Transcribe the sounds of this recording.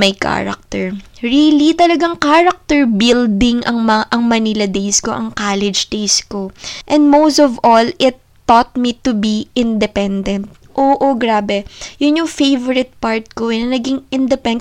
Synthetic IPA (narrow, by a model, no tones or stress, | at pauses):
mɐjka̰ɹɐ̰k̚t̪ɛɹɹilit̪ɐlɐɡaŋkaɹɐk̚t̪ɛɹbild̪ɪŋʔɐŋmɐʔɐŋmɐnilɐd̪ejsko̞ʔɐŋkaːlɛd͡ʒd̪ejskoʔɛ̃nd̪̚mowst̪ɔvolɪt̪ːot̪̚mit̪ʊbiʔɪnd̪ɛpɛnd̪ɛ̃nt̪̚ | ʔoːʔoɡɾaːbɛjʊnjʊŋfejvɔɾɪt̪̚paɹt̪̚koɐnɐɡiŋʔɪnd̪ɛpɛn